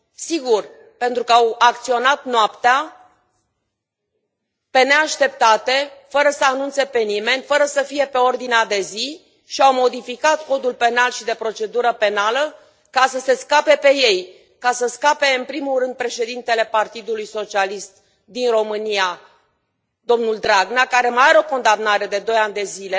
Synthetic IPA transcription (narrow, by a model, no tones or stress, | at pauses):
siɡur | pe̞nt̪ɾukəawak̚t̪sio̞nat̪noapt̪ea | pe̞ne̞aʃt̪e̞p̚t̪at̪e̞fəɾəsəanunt̪se̞pe̞nime̞nʲfəɾəsəfije̞pe̞o̞rd̪inead̪e̞zi | ʃiawmo̞d̪ifikat̪ko̞d̪ulpe̞nalʃid̪e̞pɾo̞t͡ʃe̞d̪uɾəpe̞nalə | kasəse̞skape̞pe̞je̞j | kasəskape̞ɨnpɾimulrɨnd̪̚pɾe̞ʃe̞d̪int̪e̞le̞part̪id̪ulujso̞t͡ʃialist̪ | d̪inro̞mɨnia | d̪̥o̞mnuld̪ɾaɡnakaɾe̞majaɾeo̞ko̞nd̪amnaɾe̞d̪e̞d̪o̞janʲd̪e̞zile̞